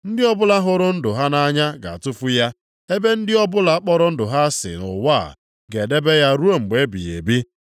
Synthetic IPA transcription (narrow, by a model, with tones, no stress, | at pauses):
n̩˦dɪ˦ɔ˦bʊ˦la˦ɦʊ˦ɾʊ˦n̩˦dʊ˨ɦa˦na˦ɲa˦ɡa̰˨a̰˨tʊ˦fʊ˦ja˦ | e˦be˦n̩˦dɪ˦ɔ˦bʊ˦la˦k͡pɔ˦ɾʊ˦n̩˦dʊ˨ɦa˦sɪ̰˨nʊ̰˨wa˦˨ | ɡe˨de˦be˦ja˦ɾu˦o˦˨ŋ͡m̩˨ɡ͡be˨˦bḭ˨ḛ˨bi˦